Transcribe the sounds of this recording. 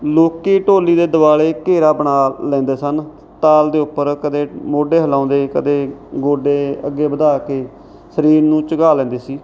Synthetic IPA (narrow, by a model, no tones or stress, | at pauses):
loːkiːʈoːliːd̪eːd̪əbaːleːkeːɾaːbəɳaːlɛ̃ːnd̪eːsən | t̪aːld̪eːʊpːəɾkəd̪eːmoːɖeːɦəlãːnd̪eːkə̰d̪eːɡoːɖeːə̰ɡːeːbəd̪aːkeː | səɾiːɾnũːt͡ʃəɡaːlɛ̃ːnd̪eːsiː